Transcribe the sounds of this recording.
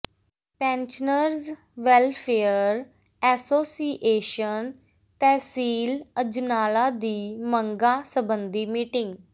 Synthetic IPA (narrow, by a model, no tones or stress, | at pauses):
pɛ̃ːnt͡ʃnəɾz | ʋɛlpʰeːəɾ | ɛːsoːsiʔeːʃən | t̪ɛ̃ːsiːləd͡ʒnaːlaːd̪iːməŋɡaːsəbənd̪iːmiːʈɪ̃ŋɡ